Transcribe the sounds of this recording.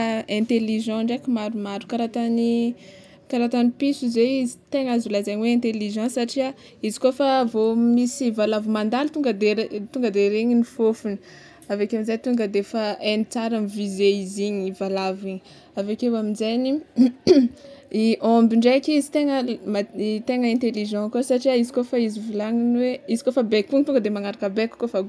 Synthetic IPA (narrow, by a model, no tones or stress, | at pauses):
ɛ̃nt̪eliʒɑ̃ɳɖ͡ʐakimaɾumaɾukaɾat̪ani | kaɾat̪anipisizeizit̪eŋazulazaɲweɛ̃nt̪eliʒɑ̃sːaʈ͡ʂia | izi̥kofavomisivalavumand̪alt̪uŋɡəd̪et̪uŋɡəd̪eɾeɲinifofuni̥ | avekeaminzajt̪uŋɡəd̪efaenit͡saɾamivizeiziɲivalaviɲi | avekewaminzajni | iʔɔ̃mbiɳɖ͡ʐajkizi̥t̪eŋəmat̪eŋəɛ̃nt̪eliʒɑ̃kosaʈ͡ʂiaizikofaizivulaŋinweizi̥kofəbekuŋt̪uŋɡəd̪emaŋaɾakəbeku̥kofaɡ